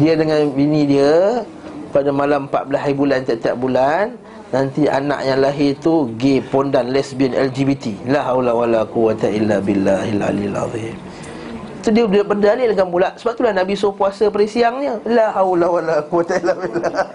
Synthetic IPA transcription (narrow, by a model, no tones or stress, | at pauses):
diədəŋanbinĩdiə | padamalampa̰ʔ̪̚bəlasaɾibulant̪iaʔt̪ia̰ʔ̚bulanː | ant̪ia̰na̰ʔjaŋlaɦɪrt̪uɡepondanlɛsbɛnɛ̰ld͡ʒibit̪ilaɦawlawalaquwat̪ailːabilːaɦilʕa̰lia̰lʕɑ̰ðim | t̪udiədəbərdalɪləŋambulaʔsəbap̚t̪ulahnabisopuasəpəɾisiaŋɲəlaɦawlawalaquwat̪ailːabilːa